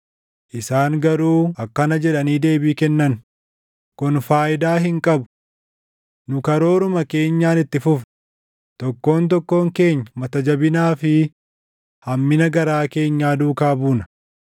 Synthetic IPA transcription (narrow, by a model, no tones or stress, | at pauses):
ʔɪsaːŋɡɐɾuːɐkːɐnɐd͡ʒɛᶑɐniːd̪e̞ːbiːkɛnːɐn | kʊnfaːʔɪd̪aːɦɪŋkʼɐbʊ̥ | nʊkɐɾo̞ːɾʊmɐke̞ːɲːaːnɪt̪ːɪfʊf | t̪ɔkːo̞ːnt̪̬ɔkːo̞ːŋke̞ːɲːɐmɐt̪ɐd͡ʒɐbɪnaːfɪ | hɐmːɪnɐɡɐɾaːke̞ːɲːaːd̪uːkaːbuːnɐ̥